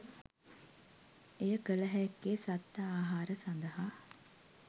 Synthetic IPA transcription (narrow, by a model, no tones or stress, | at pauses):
ejəkələɦɛekːeːsat̪ːəaːɦaːɾəsand̪əɦa